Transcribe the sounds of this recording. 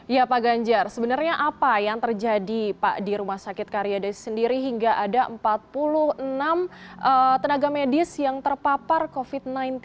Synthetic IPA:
japaɡaɲd͡ʒarsəbənarɲaʔapajaŋt̪ərd͡ʒadipa̰ʔdiɾumahsakɪt̪̚kaɾijadasəndiɾiɦiŋɡaʔadaʔəmpat̪̚puluhənamʔət̪ənaɡamedɪsjaŋt̪ərpaparkofit̪̚najnt̪

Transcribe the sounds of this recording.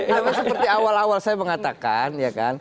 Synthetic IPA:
amasəpərt̪iawalawalsajaməŋat̪akanjaka̰n

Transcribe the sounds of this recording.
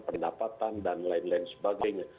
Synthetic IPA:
pədapat̪andanlaɪnlaɪnsə̥baɡajɲa

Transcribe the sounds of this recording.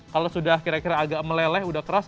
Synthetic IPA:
kalosudakiɾakiɾaːɡaʔməlɛlɛhudahkəɾas

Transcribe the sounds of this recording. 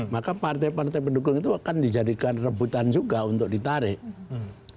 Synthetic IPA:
makapart̪ajpart̪ajpədukʊŋit̪uakandid͡ʒadikanrəbut̪and͡ʒuɡaunt̪ʊk̚dit̪aɾɪʔ

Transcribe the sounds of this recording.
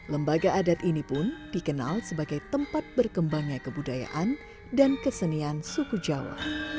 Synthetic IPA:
ləmbaɡaʔːdat̪inipʊnd̥ikəna̰lsəbaɡajt̪əmpat̪̚bərkəmbaŋɲakəbudaja̰ʔan | dankəsəniansukud͡ʒawa̰

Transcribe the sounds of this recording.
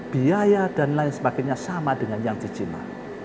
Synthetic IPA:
b̥iajad̥anlaɪŋsəbaɡɛt̪̚ɲasamadəŋanjaŋd̥i̤d͡ʒina̰

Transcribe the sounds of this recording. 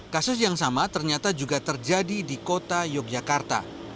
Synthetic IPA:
kasʊsjaŋsamat̪ərɲat̪ad͡ʒuɡat̪ərd͡ʒadidikot̪ajɔk̚d͡ʒakart̪a̰

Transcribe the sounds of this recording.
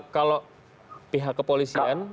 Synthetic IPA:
kaloʔ | piɦakːəpolisian

